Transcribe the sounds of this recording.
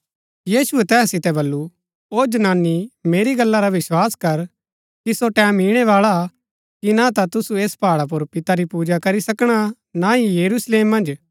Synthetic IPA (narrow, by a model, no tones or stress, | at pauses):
jiːsʊɛt̪ɛːssɪt̪ɛbɐlːu | oːd͡ʒɐnaːnːimeːɾiɡɐlːaɾaʋɪswaːskɐɾ | kisoʈɛ̃ːmiɽ̃ɛʋaːɭa | kinat̪at̪ʊsueːspaːɭap̬ʊɾpɪt̪aɾipuːd͡ʒakɐɾisɐkɽ̃a | naijɐɾusleːmːɐ̃nd͡ʒ